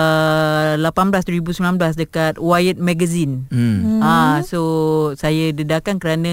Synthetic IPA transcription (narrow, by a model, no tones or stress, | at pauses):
əlapanblasduɾibusəminãnblasdəkat̪̚wajət̪̚mãɡəzin | asosajadədakankəɾanã